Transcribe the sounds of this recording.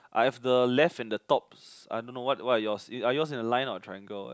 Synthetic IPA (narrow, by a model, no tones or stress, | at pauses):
ʔa̰hɛfdəlɛfɛ̃ndətɔp̚sa̰ɪjdõnːowɔtwɔtajɔsĩajɔs̬ĩnəlãɪ̃nɔtʰɹaɪɛ̃ŋɡo